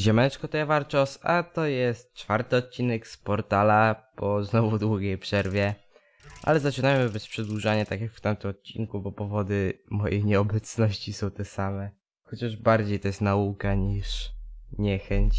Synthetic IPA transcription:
ʑɛmɛt͡ʂkɔt̪ɔjɛvaɾt͡ʃɔsa̰t̪ɔjɛst̪̚t͡ʂfaɾt̪ɘɔt̪̚t͡ɕinɛkspɔɾt̪alapɔznɔvud̪wuɡʲejpʂɛɾvʲjɛ | ʔa̰lɛzat͡ʂɘnajmɘbɛspʂɛd̪wuʐaɲat̪akʲjakft̪amt̪ɛmɔt̪̚t͡ɕiŋkubɔpɔvɔd̪ɘmɔjejɲɛɔbɛt̪snɔɕt͡ɕisɔ̃w̃t̪ɛsamɛ | xɔt͡ɕaʐbaɾd͡ʑejt̪ɔjɛst̪naukaɲiʂɲɛxɛɲt͡ɕ

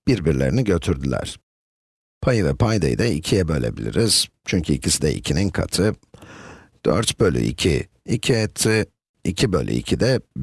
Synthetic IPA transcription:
b̥iɾbiɾlʲe̞ɾiniɟø̞t̪ʰyɾd̪ylʲæ̰ɾ̥ | pʰajɯvɛpʰajd̪ajd̪aicʰijɛbø̞lʲe̞̰bilʲḭɾiz̥t͡ʃʰyɲcʰyicʰisid̪ɛʔḭcʰininkʰa̰t̪ʰɯ | d̪̥ø̰ɾt̪bølʲy̰ʔicʰi | icʰiet̪ʰi | icʰibølʲʔy̰icʰid̪ɛ

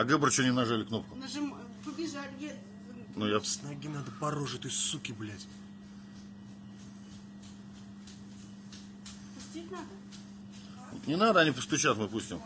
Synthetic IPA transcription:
ɐɡɨbɾt͡ɕonʲɪmnɐʐalʲɪkno̞p̚kʊnɐʐɨm | pəbʲɪʒalʲjʲe | nujafsnɐɡʲinad̪əpɐɾo̞ʐɨt̪osʲtʲsukʲɪblʲætʲ | pʊsʲt̪ʲit̪ʲnad̪ə | nʲɪnad̪əɐnʲipəst̪ʊt͡ɕat̪mɨpusʲtʲɪm

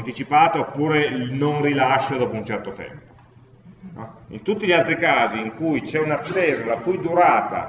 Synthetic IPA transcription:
nt̪it͡ʃipaːt̪oopːuːɾelnonrilaʃːod̪ɔːpount͡ʃɛrt̪ot̪ɛ̰mpo̥ | ḭnt̪ut̪ːiʎialt̪ɾikaːziːŋkujt͡ʃɛunat̪ːeːzolakujd̪uɾaːt̪a̰

